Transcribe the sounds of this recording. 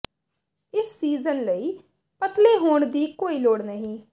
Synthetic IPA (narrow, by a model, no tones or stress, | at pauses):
ɪsːiːzənləiː | pət̪leːɦoːɳd̪iːkoːiːloːɽnəɦĩː